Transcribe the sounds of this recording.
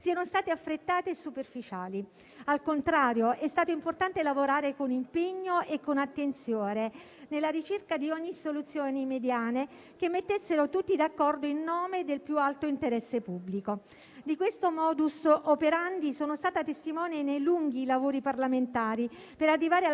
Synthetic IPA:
siːanost̪aːt̪eafːɾet̪ːaːt̪esːuperfit͡ʃaːli | alkont̪ɾaːɾjoʔɛst̪aːt̪oimport̪ant̪elavoɾaːɾekonimpeɲːoekːonat̪ːent̪sjoːne | nelːaɾit͡ʃerkad̪iɔɲːisolut̪sːjoːnimed̪jaːne | kemːet̪ːesːeɾot̪ut̪ːid̪akːɔrd̪oinːɔːmed̪elpjualt̪oint̪eɾɛsːepubːliko | d̪ikwest̪omɔːd̪usopeɾand̪isoːnost̪aːt̪at̪est̪imɔːnenejluŋɡilavoːɾiparlament̪aːɾi | peɾarːivaːɾea

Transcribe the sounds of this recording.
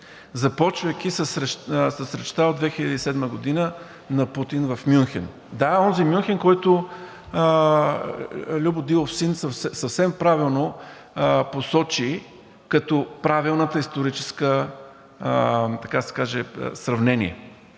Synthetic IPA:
zɐpɔt͡ʃvəjk̟ʲisəsɾɛsəsɾɛt͡ʃt̪aod̪vɛxiʎʲɐd̪iːsɛd̪məɡod̪inə | nɐput̪invɐfmjunxɛn | d̪aɔnzimʲjunxɛnkɔjt̪ʊ | lʲubʊd̪ilˠofsinsɐfsɛsɐfsɛmpɾavilˠno | posɔt͡ʃi | kɐt̪ɔpɾavilˠnət̪əist̪oɾit͡ʃɛ̥skə | t̪ɐkad̪əsɛ̥kaʒɛ̰sɾɐvnɛnḭɛ̰

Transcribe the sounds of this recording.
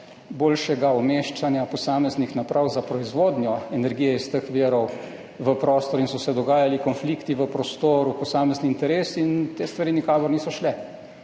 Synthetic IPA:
boːlʃɛɡaɔmeːʃt͡ʃanjapɔsaːmɛznixnapɾʔawzapɾɔizʋoːd̪njɔɛnɛɾɡijɛist̪əxʋiəɾɔw | ʋəpɾoːst̪ɔɾinsɔsɛd̪ɔɡaːjalikɔnfliːkt̪iʋəpɾɔst̪oːɾupɔsaːmɛzniːnt̪ɛɾeːsint̪eːst̪ʋaɾiːnikaːkɔɾniːsɔʃlɛ

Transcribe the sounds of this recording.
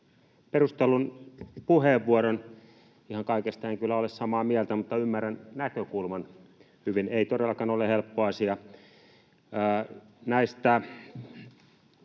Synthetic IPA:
perust̪elunpuheːʋːuoɾon | ihɑŋkɑikest̪æiŋkylːæolessɑmɑːmiælt̪æmut̪ːɑymːærænnækøkulmɑn | hyʋineit̪odelːɑkɑnolehelpːoɑsiɑ | næist̪æ

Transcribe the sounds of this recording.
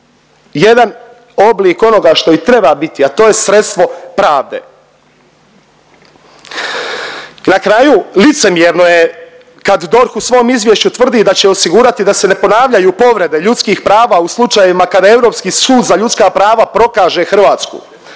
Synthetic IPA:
je̞d̪an | o̞bliːko̞no̞ɡaʃt̪o̞it̪ɾe̞babit̪iat̪o̞ːje̞sɾe̞t̪st̪ʋo̞pɾaːʋd̪ḛː | nakɾajulit̪se̞mjeɾnoje | kad̪d̪o̞ɾxusʋo̞omizʋje̞ʃt͡ɕut̪ʋr̩d̪id̪at͡ɕe̞o̞siɡuːɾat̪id̪ase̞ne̞po̞naːʋʎajupo̞ʋɾe̞d̪e̞ʎut̪skiːxpɾaːʋauslˠut͡ʃajeimakad̪ae̞vɾo̞ːpskiːsuːd̪zaʎut̪skapɾaːʋapɾo̞kaːʒe̞xr̩ʋaːt̪skṵː

